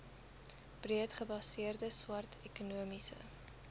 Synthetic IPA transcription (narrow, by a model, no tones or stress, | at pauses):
b̥riətχəbɐsiərdəswɐrtʰɛkunuəmisə̰